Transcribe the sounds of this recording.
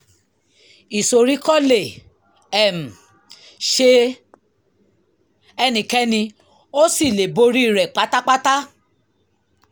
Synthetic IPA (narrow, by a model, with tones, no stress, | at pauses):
i˨so˨ɾi˨˦kɔ˦˨le˨ | ɛ˨m̩˨ | ʃe˧ | ɛ˧nĩ˨kɛ˦nĩ˧ | o˦si˦˨le˨bo˧ɾi˦i˦˨ɾɛ˨k͡pa˨˦ta˦k͡pa˦ta˦